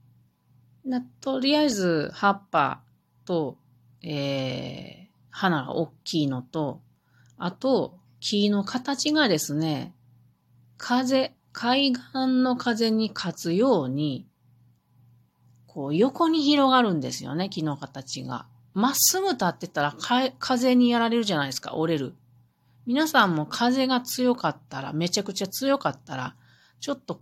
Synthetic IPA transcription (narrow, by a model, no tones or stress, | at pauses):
nat̪o̞ɾʲijazɨhapːa̰ | t̪o̞ | eː | hanaɡa̰ʔokʲːiːno̞t̪o̞ | at̪o̞ | kʲʰiːno̞kʰat̪at͡ɕiɡad̪e̞sɨne̞ | kʰaze̞ | kʰaiɡãnːo̞kʰaze̞ɲ̟ikʰat͡sɨjo̞ːɲ̟i | kʰo̞ːjo̞ko̞ɲ̟içiɾo̞ɡaɾɯ̟̃nd̪e̞sɨjo̞̰ne̞kʲino̞kat̪at͡ɕiɡa̰ | masɨɡɯ̟t̪at̪ːe̞t̪aɾakakʰaze̞ɲ̟ijaɾaɾe̞ɾɯ̟ʑanaid̪esɨ̥ka̰ʔo̞ɾe̞ɾɯ̟ | mʲinasãmːo̞kʰaze̞ɡat͡sɨjo̞kat̪ːaɾa̰me̞t͡ɕakɯ̟t͡ɕat͡sɨjo̞kat̪ːaɾa̰ | t͡ɕo̞t̪ːo̞